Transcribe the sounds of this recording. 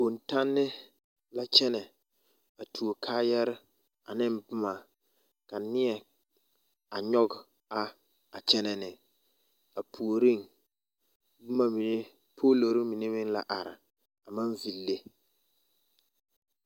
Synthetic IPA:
o˨nta˦nːɪ˦ | la˦t͡ʃɛ˦nɛ˨ | a˨tʰu˨o˨kʰaː˦jɛ˦ɾɪ˦ | a˨nɪ˦mbʊ˦ma˨ | ka˨nɪ˦ɛ˨ | a˨ɲɔ˦ɡ | a˦ | a˨t͡ʃɛ˦nɛ˨nɪ˨ | a˨pʰu˨o˨ɾi˦ŋ | bʊ˦ma˨mi˨ne˦ | pʰoː˦lo˨ɾɪ˦mi˨ne˦mɪ˦ŋla̰˦ʔa˨ɾɪ̰˨ | a˨ma˦ɱvi˨lːe˦

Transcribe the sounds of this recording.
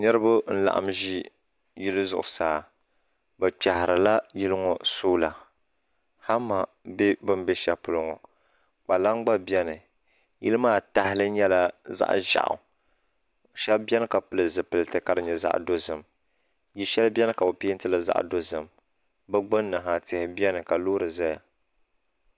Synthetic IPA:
ɲɨ˦ɾɨ˦bʊ˦n̩˦la̰˨ʔa̰˨mʒi˦ | ji˦lɨ˦zʊ̰˨ʔʊ˨saː˨ | bɛ˨k͡pa˨hɪ˨ɾɨ˨la˦ji˦lɨ˦ŋɔ˨soː˦la˨ | ha˦ma˨ | be˦bɨ˦m˦bɛ˦ʃɛ˦pʊ˨lʊ˦ŋɔ̰˨ | k͡pa˨la˦ŋɡ͡ba˦bɛ˦nɨ˨ | jɪ˦lɨ˦maː˦ta˨hɪ˦lɨ˦ɲɛ˦la˦za̰˦ʔʒa̰˨ʔʊ̰˨ | ʃɛ˦bʲɛ˦nɨ˦ka˨pɨ˨lɨ˨zɨ˨pɨ˨lɨ˨tɨ˨ka˨dɨ˨ɲɛ˨za̰˦ʔdo˦zɨ˨m | ji˦ʃɛ˦lbʲɛ˦nɨ˦ka˨bo˨pi˦n̩˦tɨ˦lɨ˨za̰˦ʔdo˦zɨ˨m | bɨ˦ɡ͡bɨ˦nːɨ˨ɦa˨tɪ˨hɪ˨bi˦ɛ˦nɨ˨ka˨loː˦ɾɨ˨za˦ja˨

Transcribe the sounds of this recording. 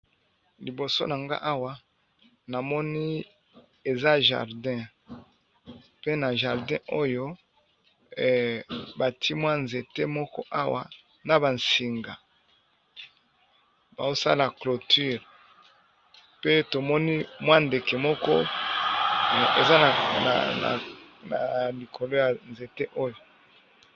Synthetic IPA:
li˨bo˨so̰˦na˨ŋɡa̰˦ʔa˦wa˦ | na˨mɔ˦ni˦ | e˨za˦ʒa̰˨ʁdɛ̃˦ | pe˦na˨ʒa˨ʁdɛ̃˦ʔo˦jo˦˨ | ba˨tʰi˦mwa˦nze˨te˦mɔ˦kɔ̰˦ʔa˦wa̰˨ | na˨ba˨nsi˨ŋɡa˨ | ba˨zo˦sa̰˦la˨klo˨ty˦˨ʁ | pe˦to˨mɔ˦ni˦mwa˦nde˨ke˨mɔ˦kɔ˦˨ | e˨za˦˨a̰˨na̰˨na˨li˨kʰo˨lo˦ja˨nze˨te˦ʔo˦jo˨

